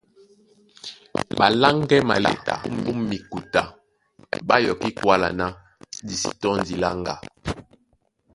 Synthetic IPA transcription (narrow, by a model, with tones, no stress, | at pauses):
ba˨la˦ŋɡɛ˦ma̰˨lɛ̰˨ta̰˨m̩˦bu˦mːi˨ku˨ta˨ | ba˦jɔ˨ki˦kwa˦la̰˨na˦ | di˨sḭ˨tɔ˦n˨di˨la˦ŋɡa̰˨